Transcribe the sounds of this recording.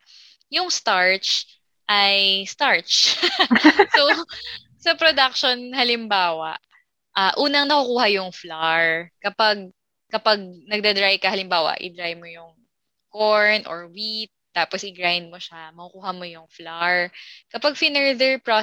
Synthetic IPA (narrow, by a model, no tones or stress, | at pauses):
jʊŋst̪aɹt͡ʃ | ʔajst̪aɹt͡ʃ | so | sɐpɾod̪ak̚ʃonhɐlɪmbaːwɐ̰ʔ | ʔaʔuːnɐŋnɐkʊkuːhɐjʊŋflaɹkɐpaɡ̚ | kɐpaɡ̚nɐɡ̚d̪ɐd̪ɾajkɐhɐlɪmbaːwɐ̰ʔɪ̰d̪ɾajmojʊŋ | koɹnʔɔ̰ɹwit̪̚ːaːposʔɪɡɹajnd̪̚moʃamɐkʊkuːhɐmojʊŋflaɹkɐpaɡ̚fɪnɛɹd̪ɛɹpɹo